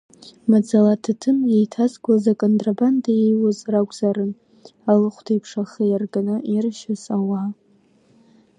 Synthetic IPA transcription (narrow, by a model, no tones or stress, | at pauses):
mad͡zalatʰatʰɨnjejtʰazɡʷlazakʼondʼrabandajejwazraɡʷʼz̥aɾɨn | alɨχʷtʰajpʰʂaχijarɡanɨʔirʃazawa